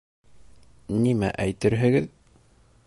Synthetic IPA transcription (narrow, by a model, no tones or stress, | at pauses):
nimæ̰ʔæjt̪ɘɾɦɘ̆ɡɘð